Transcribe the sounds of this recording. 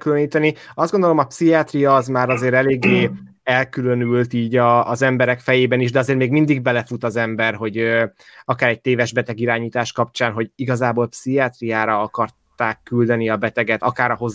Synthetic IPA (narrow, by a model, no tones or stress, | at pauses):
kyløniːt̪ɛniɒzdɡo̞nd̪o̞lo̞mɒpsiaːt̪rijɒːzmaːɾɒzeːɾɛleːɡːeː | ɛlkylønylt̪iːɟɒːzɛmbɛɾɛkfɛjeːbɛniʒd̪ɛɒzeːrmeːɡmind̪iɡ̚bɛlɛfut̪ɒzɛmbɛrɦo̞ɟøɒkaːɾɛc̚t̪eːvɛʒbɛt̪ɛɡiɾaːɲiːt̪aːʃkɒpt͡ʃaːnɦo̞ɟiɡɒzaːboːlpsiaːt̪rijaːɾɒɒkɒrt̪aːkːyld̪ɛniɒbɛt̪ɛɡɛt̪ɒkaːɾɒɦo̞z